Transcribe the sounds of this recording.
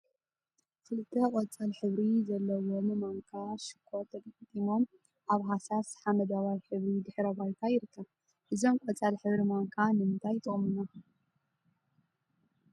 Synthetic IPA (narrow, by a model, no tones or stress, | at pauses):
fɨlɨt̪ʰːɐkʼɐt͡sʼalħɨβɾizɐlːɐwo̞nɨmaŋkʰaʃɨ̥kʰːo̞t̪ʰɐɡʼt̪ʼːimo̞m | ʔaβɦasasħamɐd̪awajħɨβɾid̪ɨħɾɐbajt̪ʰajɪɾɨkʰːɐβ | ʔɨzo̞mkʼɔt͡sʼalħɨβɾimaŋkʰanɨmɨnt̪ʰajt̪ʰʼɨʔʼmɨna